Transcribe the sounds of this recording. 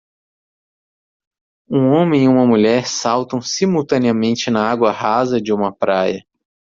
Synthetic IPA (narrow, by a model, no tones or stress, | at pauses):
ũõmẽiũmɐmuʎɛɾsawt̪ɐ̃w̃simuwt̪ɐ̃niɐmẽnt͡ʃɪnɐaɡwɐɦazɐd͡ʒɪũmɐpɾajɐ